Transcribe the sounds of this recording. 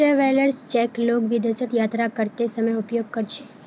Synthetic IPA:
eʋeləɾst͡ʃɛkloɡʋid̪əsət̪jat̪ɾakəɾt̪esəməjupjoɡ̚kəɾt͡ʃʰe

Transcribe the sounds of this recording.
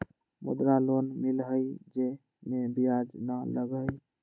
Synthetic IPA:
mṵd̪ɾalonmilɦəjd͡ʒe | mebijad͡ʒnaləɡəj

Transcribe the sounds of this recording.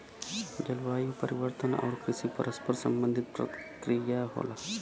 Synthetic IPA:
d͡ʒɐlʋajupəɾiʋəɾt̪ənɔ̰ːɾkɾiʃiːpəɾəspəɾsə̰mbənd̪ʱit̪̚pɾɐ̰kɾijaɦo̰la

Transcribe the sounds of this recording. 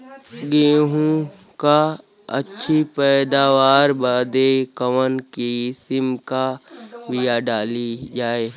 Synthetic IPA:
ɡeːɦũ | ka | ɐ̰tːʃʰipɛːd̪aːʋaːɾbaːd̪ekəʋənkisɪmkabijaɖaːlid͡ʒaːeː

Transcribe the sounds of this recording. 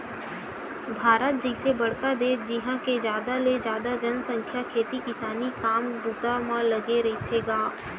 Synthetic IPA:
bʱaːɾət̪̚d͡ʒɐɪsebɐɽkad̪eːd͡ʒɪɦãked͡ʒjaːd̪aled͡ʒjaːd̪ad͡ʒənsə̃ŋkʰjakʰeːt̪ikɪsaːnikaːmbuːt̪amãlɐɡeɾeet̪ʰeɡaː

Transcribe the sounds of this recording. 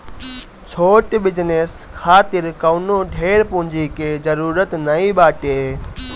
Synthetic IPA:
t͡ɕʰoːʈbɪd͡ʑneskʰaːt̪ɪɾkɐʊnõɖʱeːɾpʊ̃ːɲd͡ʑikeːzɐɾuːɾət̪nɐĩɓaːʈeː

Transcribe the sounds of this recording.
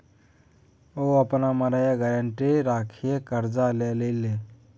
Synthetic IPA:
oəpnaməɾəjaɡaɾəɳʈeɾaːkʰiekəɾd͡ʒalelele

